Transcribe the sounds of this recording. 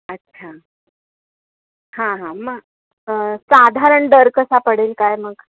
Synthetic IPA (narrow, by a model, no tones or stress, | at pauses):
ətːɕʰa | hãɦãmə | əsad̪ʱaɾəɳɖəɾkəsapəɽ̤elkajməɡ